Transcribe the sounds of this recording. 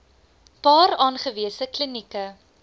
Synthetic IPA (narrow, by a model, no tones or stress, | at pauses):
pɑːɾɑːnχəviəsəklinikə